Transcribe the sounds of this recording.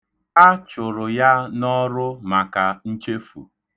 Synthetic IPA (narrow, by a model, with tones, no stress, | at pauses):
a˦t͡ʃʊ˨ɾʊ˨ja˦nɔ˦ɾʊ˦ma˨ka˨n̩˦t͡ʃe˦fṵ˨